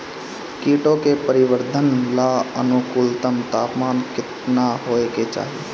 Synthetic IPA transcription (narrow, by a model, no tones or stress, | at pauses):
kiːʈõkepəɾɪʋəɾd̪ʱənlaːənʊkʊlt̪əmt̪aːpmaːnkɪt̪naɦoːeket͡ʃa̰ːɦie